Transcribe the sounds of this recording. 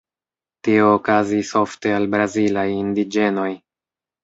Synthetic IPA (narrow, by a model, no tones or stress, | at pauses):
tio̞ːkaziso̞fte̞albɾazilajindid͡ʒe̞no̞j